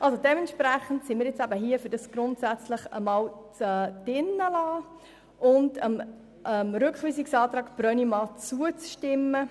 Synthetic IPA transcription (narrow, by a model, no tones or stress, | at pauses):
ʔɑlsodɛmɛntʃpɾæχəntsimiːɾjɪt͡sæbəɦiəfʏɾd̥ɑsɡ̥ɾʊntsæt͡sləχəmɑːlt͡sɛːd̥ɪnːəlɑː | ʔʊndəm | əmɾʏkχʋiːsiksɑːt̪ɾɑːkb̥ɾœnimɑːt͡suət͡sʃtɪmːə